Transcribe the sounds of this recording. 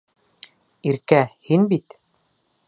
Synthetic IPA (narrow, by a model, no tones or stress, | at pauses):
iɾkæhinbit̪